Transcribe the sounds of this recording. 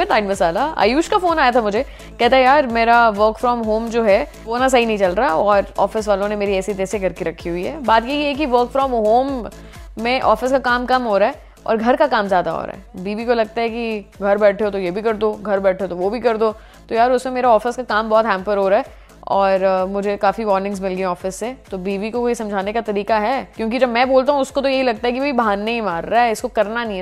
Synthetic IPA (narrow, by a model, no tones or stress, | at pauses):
ɪnaːɪɖmɐsaːlaa̰ːjuːʃkafoːnaːjat̪ʰamʊd͡ʒʱe | kɛɦt̪aɦɛjaːɾmeːɾaʋəːɾkfɾɔːmɦoːmd͡ʒoːɦɛ | oːnas̬ɐɦinɐɦĩt͡ʃɐlɾaɔːɾɔːfɪs̬ʋaːlõnemeːɾiɛːsit̪eːsekɐɾkeɾɐkʰːiɦʊiɦɛ̰ːbaːt̪jeiɛk̬iʋəːɾkfɾɔ̃ːmɦoːmː | ẽʔɔːfɪskakaːmkɐmɦoːɾaːɦɛ | ɔ̰ːɾɡʱɐɾkakaːmzjaːd̪a̰ɦo̰ɾa̰ːɦɛbiːbikolɐɡ̚t̪aɦɛkiɡʱɐɾbɛːʈʰeot̪ojebʱikɐɾd̪oːɡʱɐɾbɛːʈʰeot̪oʋobʱikɐɾd̪oː | t̪ojaːɾʊsmẽmeːɾaɔːfɪskakaːmbɔːt̪ɦɛ̃ːmpəɾɦoːɾaɦɛ | ɔːɾmʊd͡ʒʱekaːfiʋɔːɾnɪ̃ŋzmɪlɡẽɔːfɪsːet̪obiːʋikokoːisɐ̃md͡ʒʱaːnekat̪ɐɾiːkaɦɛːkjõːk̬id͡ʒɐbmɛ̃ːboːlt̪aːɦũʊskot̪̬ojɐɦilɐɡ̚t̪aɦɛkiʋoibaːnːeĩmaːɾːaɦɛɪskokɐɾnanɦĩ